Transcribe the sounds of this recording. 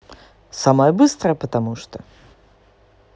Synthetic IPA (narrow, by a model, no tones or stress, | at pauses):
samɐjɛbɨst̪ɾɐjɛpɐt̪amuʂt̪o